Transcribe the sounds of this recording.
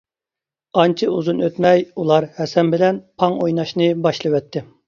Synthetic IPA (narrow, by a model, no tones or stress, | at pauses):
ɑnt͡ʃʰɪuzunøt̪mɛjulˠɑɾhɛsɛmbɪlɛnpʰɑŋojnɑʃnɨbɑʃlˠɨwɛt̪ʰːɪ